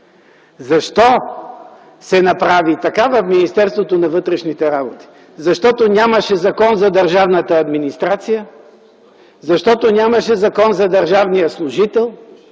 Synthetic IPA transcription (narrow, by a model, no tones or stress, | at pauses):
zɐʃt̪ɔ | sɛnɐpɾavit̪ɐkavɐfminist̪ɛɾst̪vot̪onɐvɤt̪ɾɛʃnit̪ɛɾabot̪i̥ | zɐʃt̪ɔt̪onʲaməʃɛzɐkɔnzɐd̪ɐɾʒavnət̪əːd̪minist̪ɾat̪sijə | zɐʃt̪ɔt̪onʲaməʃɛzɐkɔnzɐd̪ɐɾʒavnijəslˠʊʒit̪ɛlˠ